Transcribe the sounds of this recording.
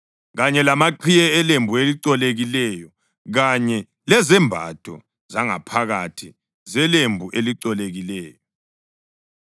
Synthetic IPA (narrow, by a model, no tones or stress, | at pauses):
ɣaɲɛlamaǃʰijɛɛlembʱueliǀɔleɣilɛjɔ | ɣaɲɛ | lɛzɛmbʱa̰tʰʼɔ̰ | zaŋa̰pʰaɣatʰi | zɛlembʱuʔeliǀɔleɣilɛːjɔ